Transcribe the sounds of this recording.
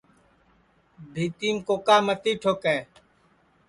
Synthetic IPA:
bʱiːt̪iːmkoːkaːmət̪iːʈʰoːkɛː

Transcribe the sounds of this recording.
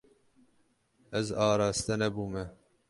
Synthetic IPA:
ɛzɑːɾɑːst̪ɛnɛbuːmɛ

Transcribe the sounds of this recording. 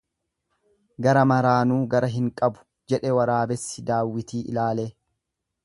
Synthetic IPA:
ɡɐɾɐmɐɾaːnuːɡɐɾɐɦɪŋkʼɐbʊ̥ | d͡ʒɛᶑɛwɐɾaːbɛsːɪd̪aːwːɪt̪iːʔɪ̰laːleː

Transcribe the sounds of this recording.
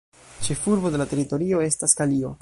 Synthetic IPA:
t͡ʃe̞fuɾbo̞de̞late̞ɾito̞ɾio̞e̞staskalio̞

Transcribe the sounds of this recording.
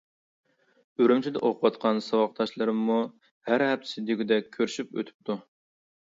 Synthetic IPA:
øɾymt͡ʃʰid̪ɛ̰ʔoqʰwɑt̪qʰɑnsɑwɑq̚t̪ʰɑʃlˠɨɾɨmːu | hæɾɦɛp̚t̪ʰɪ̥sɪd̪iɡʲyd̪ɛk̚ʲʰːøɾʃypø̰t̪ʰy̥p̚t̪ʰu

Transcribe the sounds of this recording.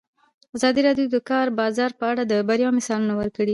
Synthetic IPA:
azɑd̪iɾɑɖjod̪əkɑɾbɑzɑɾpəaɽad̪əbaɾjɑmɪsɑlunawəɾkəɽi

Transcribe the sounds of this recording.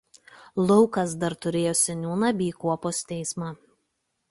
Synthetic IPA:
lˠɔʊkɐsd̪ɐɾt̪ʊɾʲeːjoːsʲɛnʲuːnɐbʲiːkuɔpoːst̪ʲɛɪsmɑː

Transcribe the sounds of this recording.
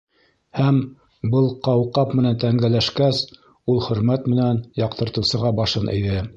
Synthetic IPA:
hæm | bɤlˠqɑwqɑpmɘ̆nænt̪æŋɡælæʃkæs | ulˠχɵ̆ɾmæt̪mɘ̆nænjɑqt̪ɤ̆ɾt̪ɤ̆wsɤ̆ʁɑbɑʃɤnʔɘ̰̆jðɘ

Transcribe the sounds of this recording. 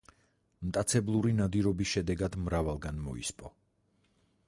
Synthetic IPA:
mt̪ʼat̪sʰɛblˠuɾinad̪iɾɔbisʃɛd̪ɛɡad̪mɾavalˠɡanmɔ̰ḭspʼɔ

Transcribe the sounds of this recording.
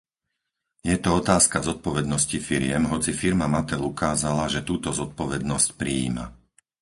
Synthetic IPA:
jɛt̪ɔɔt̪aːskazɔt̪̚pɔʋɛd̪nɔscifiɾɪɛmɦɔt͡sifiɾmamat̪ɛlukaːzalaʒɛt̪uːt̪ɔzɔt̪̚pɔʋɛd̪nɔscpɾiḭːma̰

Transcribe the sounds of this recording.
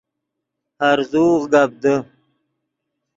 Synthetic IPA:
haɾzuːɣɡab̚d̪ə

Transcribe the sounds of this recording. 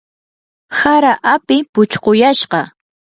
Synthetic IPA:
saɾaʔapɪpʊt͡ʃqojaʃɢɑ

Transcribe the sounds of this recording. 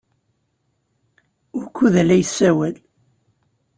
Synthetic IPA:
ʊɾkʰːuðælæjəsːæwæl

